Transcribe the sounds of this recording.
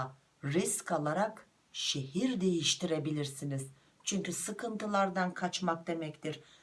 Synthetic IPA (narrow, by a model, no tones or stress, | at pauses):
ɾiskʰalˠaɾak | ʃe̞ɦiɾd̪e̞jiʃt̪ʰiɾe̞bilʲiɾsiniz̥ | t͡ʃʰyɲcysɯkʰɯnt̪ʰɯlˠaɾd̪ankʰat͡ʃmak̚d̪e̞mɛct̪ʰiɾ̥